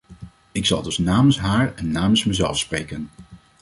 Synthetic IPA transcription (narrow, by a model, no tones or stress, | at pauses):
ɪksɑ̰lˠdɵsnaːmənsɦaːɹɛnːaːmənsmɛzɛ̰lˠfsprejkən